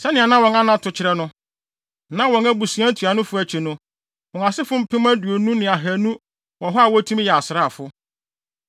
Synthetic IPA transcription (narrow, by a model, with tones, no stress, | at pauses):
sɛ˦nɪ̃˨a˨nã˦wɔ̃˨nã˦nã˦tʰʊ˨t͡ɕʰɪ˨˦ɾɛ˦nʊ̃˦ | nã˦wɔ̃˨næ˦bu˨si˨˦æ̃˦tʰu˨a˨nʊ̃˦fʊ˦æ˨t͡ɕʰi˨nʊ̃˦ | wɔ̃˨nã˨sɪ˦fʊ˦m̩˦pʰɪ̃˦mæ̃˦du˨o˨nũ˦nɪ̃˨a˨ɦæ˨nũ˦ | wɔ̃˨ɦɔ˦a˨wɔ˦tʰũ˦m˦jɛ˨a˨sɪ˨ɾa˦˨fʊ˦